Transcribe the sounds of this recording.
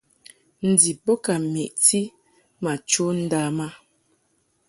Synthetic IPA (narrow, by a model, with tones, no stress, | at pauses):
n̩˨di˨po˦ka˨me˨ʔti˦ | ma˨t͡ʃo˦n̩˦da˦ma˦